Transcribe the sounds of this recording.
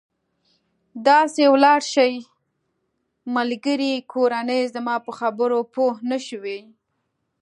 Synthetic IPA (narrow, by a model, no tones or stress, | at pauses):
d̪ɑsewlɑɽʃəj | malɡəɾikʰoɾanəjzəmɑpəxabəɾopohnəʃwe